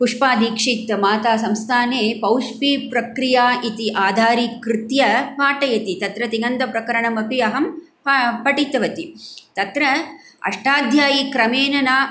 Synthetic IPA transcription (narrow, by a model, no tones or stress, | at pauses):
puʂpaːd̪iːkʂiːk̚t̪ɐmaːt̪aːsɐmst̪ʰaːneːpɐwʂpipɾɐkɾijaːʔit̪iʔaːd̪ʱaːɾikɾɪt̪jɐʋaːʈɐjɐt̪it̪ɐt̪ɾɐt̪inɐnd̪ɐpɾɐkɐɾɐɳɐmɐpiɐɦɐm | ppɐʈit̪ɐʋɐt̪it̪ɐt̪ɾɐɐ̰ʂʈaːd̪ʱjaːjikɾɐmeːnɐnaː